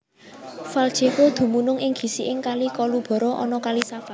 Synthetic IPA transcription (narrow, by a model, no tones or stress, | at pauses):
fald̥ʒ̥ekod̪̥ṳmunʊŋɪŋɡ̥i̤siʔɪŋkalikɔlub̥ɔ̤ɾɔʔɔnɔkalisafa